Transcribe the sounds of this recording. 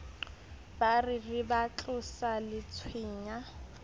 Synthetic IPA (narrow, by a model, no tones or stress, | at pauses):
barɪrɪbat͡ɬʼʊsalɪt͡sʰwiːɲa